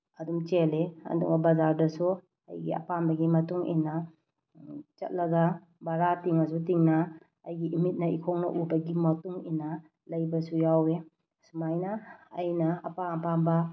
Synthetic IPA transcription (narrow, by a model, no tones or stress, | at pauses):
ɐdumt͡ʃeleɐ̰dṵŋɐbɐzaɾdɐsu | ɐ̰jɡḭɐ̰pambɐɡimɐtuŋḭnːɐ | t͡ʃɐ̰t̚lɐɡɐ | baɾatiŋɐs̬utiŋnɐː | jɡiimit̚nɐḭkʰoŋnɐ̰ʔubɐɡimɐtuŋḭnːɐ | lɐjbɐsujawe | sumajnɐːjnɐɐ̰paŋpambɐ